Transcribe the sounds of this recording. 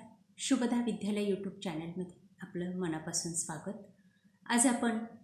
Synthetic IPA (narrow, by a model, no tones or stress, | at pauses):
ɕuɡəd̪ʱaʋid̪ʱjaljajuʈjuːb̚t͡ɕænəlməd̪ʱjeapləmənapasuːnsʋaɡət̪ | a̰d͡zapəɳ